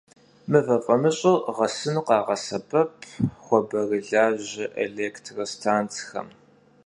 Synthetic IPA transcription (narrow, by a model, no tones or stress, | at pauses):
mɨvɐfʼɐmɨɕʼʊʁɐsɨnqɑːʁɐsɐbʰɐpʰχʷɔbɐrɨɮaːʑɪʔḛleːktʰrɐstʰaːnt͡sʰxɐ̰m